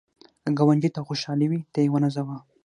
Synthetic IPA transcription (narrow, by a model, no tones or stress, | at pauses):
ɡawand͡ʒit̪axoʃɑliwit̪ejewənazawa